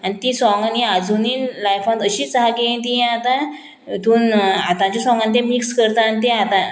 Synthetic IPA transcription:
añit̪ĩsɔŋɡaniad͡zuniːnlajfãt̪əɕiːt͡saɦaɡeẽt̪̬iɦɛ̃at̪ã | t̪uːnat̪ãt͡ɕjasɔ̃ŋɡãnt̪̬ẽmikskəɾt̪aːnit̪ẽat̪ã

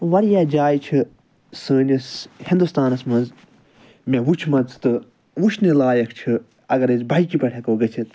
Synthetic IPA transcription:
ʋɐɾjaːd͡ʒaːjt͡ʃʰi | səːnʲishĩnd̪ust̪aːnɐsmɐ̃nz | mʲẽʋut͡ʃʰmɐnzt̪ɨ | ʋut͡ʃʰnilaːjɐkʰt͡ʃʰɨ | ɐɡɐɾezbʱɐjkipɐʈʰʲekoːɡɐt͡ʃʰit̪

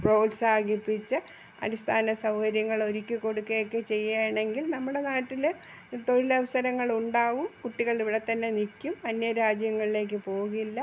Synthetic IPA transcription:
pro̞ːɖsaːɡipːit͡ɕːɨ | ɐ̰ɾist̪ʰaːnɐsɐwhɐɾjɐŋːɐɭo̞ɾikʲːɨko̞ɽukːejokːe̞t͡ɕe̞jːajɳe̞ŋɡilnɐmːuɽe̞naːʈːil | t̪o̞ɻilɐʋɐsɐɾɐŋːɐɭuɳɖaːʋumkuʈːiɣɐɭiʋiɽe̞t̪ɐnːe̞nikʲːumɐnːjɐɾaːd͡ʑjɐŋːɐɭile̞ːk̬ːɨpo̞ːuɣɐilːɐ

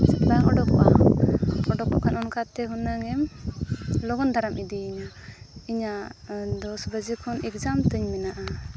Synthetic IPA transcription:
t͡ʃatlaŋɔɖɔk̚ba̰ | ɔɖɔkːɔ̰kanɔnkat̪ɛɦunaŋɛm | lɔɡɔnd̪ʱaɾamid̪iːɲa | iɲad̪ɔsbəd͡ʒikʰɔnɛkd͡ʒamt̪əɲmɛnaʔa

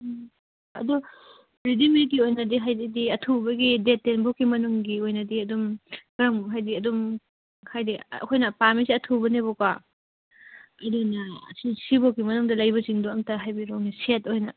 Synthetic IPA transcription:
ɐ̰dɔ | pɾidimitiojnɐdiɦajdidiɐtʰubɐɡidetːenbokːimɐnuŋɡiojnɐdiɐdumɡɾɐmɦajdiɐdum | hʰajdḭkʰojnɐpamisiɐtʰubɐnebɔka | ɐdunɐsisibokːimɐnuŋdɐlɐjbɐt͡ʃiŋduɐŋtaɦajbiɾoŋnisetojnɐ

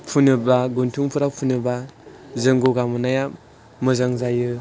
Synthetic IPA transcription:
pʰunɯbaɡuntʰuŋpʰuɾawpʰunɯbazɯŋɡoɡamɯnaja | mɯzaŋzajɯ

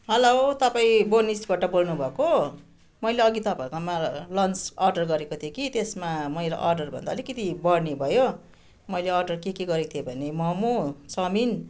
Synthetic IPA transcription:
ɦʌlot̪ʌpaĩbonisbʱaʈʌbolnubʱʌko | mʌjleʌɡit̪ʌpãkamalʌnsʌrɖʌrɡʌɾekot̪ʰijokit̪esmamʌiɾʌ̰ʔʌrɖʌrbʱʌ̰nd̪aʌlikʌt̪ibʌrnebʱʌjo | mʌjleʌrɖʌrkekeɡʌɾet̪ʰijebʱʌnemʌmot͡sʌmin

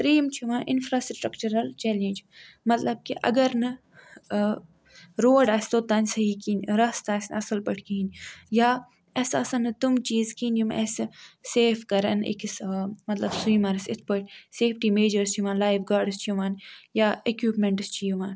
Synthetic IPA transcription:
pɾiːmt͡ʃʰiʋãːnʔɪ̰nfɾaːsʈɾɐkt͡ʃɐɾɐlt͡ʃɛːlẽːnd͡ʒ | mɐt̪lɐb̚kiʔɐ̰ɡɐɾnɨ | ɾoːɖaːsʲt̪ot̪ɐnʲsɐɦikiːnɾɐst̪aːsʲnɐsɐlpɐʈʰkinʲjaː | ɐsɐsɐnɨt̪umt͡ʃiːzkiːnjumḛsseːfkɐɾɐ̰nḭksmɐt̪lɐbsiːmɐɾsɪt̪ʰpəʈseːfʈiːmeːd͡ʒɐɾst͡ʃʰiʋãːnlaːjʋɡaːɾɖst͡ʃʰuʋaːnjaːekjuːpmẽɳʈst͡ʃʰijuʋaːn

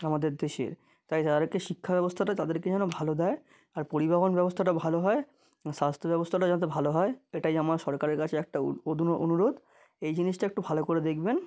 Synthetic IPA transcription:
amad̪eɾd̪eʃḛɾ | t̪ajt̪ad̪eɾkeʃikʰːabɛbost̪ʰaʈat̪ad̪eɾked͡ʑɛnobʱalod̪ɛe | aɾpoɾibaɦonbɛbost̪ʰaʈabʱaloɦɔe | ʃast̪ʰobɛbost̪ʰaʈad͡ʑanat̪̬ebʱaloɦɔeeʈajamaɾʃɔɾkaɾeɾkat͡ɕʰeɛk̚ʈaod̪ʱunoʔonuɾod̪ | ejd͡ʑiniʃʈaɛk̚ʈubʱalokoɾed̪ekʰben

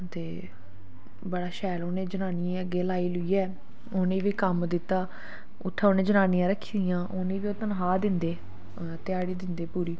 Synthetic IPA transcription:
t̪eː | bəɽaːʃɛːloːnẽːd͡ʒənaːnɪãəɡːeːlaːiːlʊiːɛː | oːnẽːʋiːkəmd̪ɪt̪ːaː | ʊ̰ʈʰːaːoːneːd͡ʒənaːnijãːɾəkʰːiːd̪ɪjãːʔoːneːʋiːoːt̪ənɦaːd̪ɪnd̪eː | t̪ɪjaːɽiːd̪ɪnd̪eːpuːɾiː

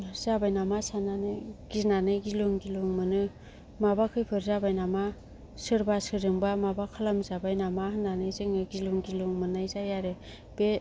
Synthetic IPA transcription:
z̥abajnamasananɯɡ̥inanɯɡiluŋɡiluŋmɯnɯ | mabakʰɯjpʰɯɾzabajnama | sɯɾbasɯɾɯŋbamabakʰalamzabajnamahɯnːanɯjzɯŋɯɡiluŋɡiluŋmɯnajzajaɾɯ | b̥e

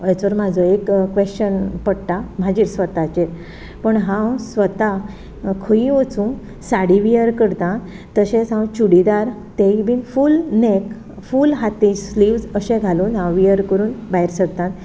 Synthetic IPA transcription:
jat͡sʋəɾmad͡zʱəekkːʋeɕt͡ɕənpəɽʈ̪am̤ad͡ʑiːɾsʋət̪at͡ɕe | pəɳɦãwsʋət̪a | kʰəiət͡sũ | saɽiʋijəɾkəɽt̪ãt̪ːəɕẽsɦãwt͡ɕuɽid̪aɾ | t̪ẽibiːnfulnek | fulɦat̪ĩsliʋd͡zəɕɛ̃ɡʱaluːnɦãwʋijəɾkəɾuːnbaɦiɾsəɡ̚t̪ãt̪

